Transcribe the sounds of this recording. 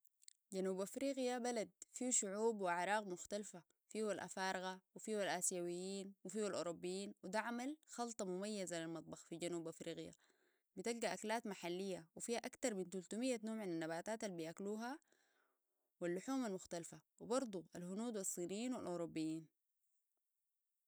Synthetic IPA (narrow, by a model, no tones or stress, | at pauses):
ɟanuːbʔafɾiːɣjabalad̪̚fiʃʊʕuːbwiʕɾˤɑːɣmʊxt̪alfa | fiːwalʔa̰fɑːɾɪɣawifiːwalʔaːsjawijːiːnwifiːwalʔo̰ːɾubːijːiːnwid̪aʕamalxɑlt̪ˤɑmʊmajːazalilmɑt̪ˤbɑxfiɟanuːbʔafɾiːɣja̰ | bit̪alɡaʔaklaːt̪maħalːijːawifiːhaʔakt̪ɑɾˤmint̪ult̪umijːanoːmʕananːabaːt̪aːt̪alːbijʔakluːɦa | wilːʊħuːmalmʊxt̪alfawibɑɾˤd̪ˤualhʊnuːd̪wisˤːiːnijːiːnwalʔoːɾubːijːiːn